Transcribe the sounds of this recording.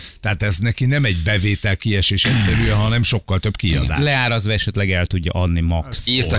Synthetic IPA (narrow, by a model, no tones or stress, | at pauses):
t̪ɛɦaːt̪ɛznɛkinɛmɛɟbɛveːt̪ɛlkiɛʃeːʃɛcsɛɾyjɛɦɒnɛmʃo̞kːɒlt̪ø̞bkiɒ̰d̪a̰lɛaːɾɒzvʋɒɛʃɛt̪lɛɡɛlt̪uɟːɒ̰ʔɒd̪nimɒksir